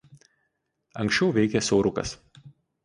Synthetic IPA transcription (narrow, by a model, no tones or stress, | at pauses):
ɐŋʲksʲt͡ʃʲɛʊʋʲɛɪkʲɛsɐʊɾʊkɐ̰s